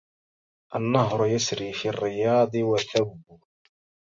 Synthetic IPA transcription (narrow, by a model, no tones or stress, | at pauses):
ʔanːɑɦɾˤʊjasɾiːfirːɪjɑːd̪ˤɨwaθabːʊ